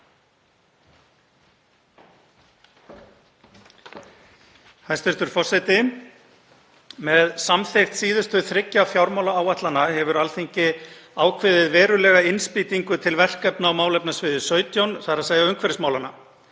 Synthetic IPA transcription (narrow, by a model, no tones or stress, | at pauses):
hajst̪ɪst̪ʏɾ̥fɔr̥sɛjt̪ɪ | mɛðsamθejxt̪siːðʏst̪ʏθɾɪcːafjawɾmawlaaːwat̪lanahɛvʏɾalθeɲcɪaːwkʰvɪðvɪðvɛːɾʏlɛːɣaɪnspiːt̪iŋkʏt̪ʰɪlvɛr̥kɛpnaawmaːwlɛpnasvɪðʏsœːɥt̪jownθaɾaðsaːɣjðaʏmkʰvɛɾɪsmaːwlanːa